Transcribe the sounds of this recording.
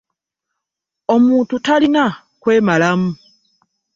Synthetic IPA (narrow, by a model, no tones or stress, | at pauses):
o̞muːntutalina | kwe̞ːmalamu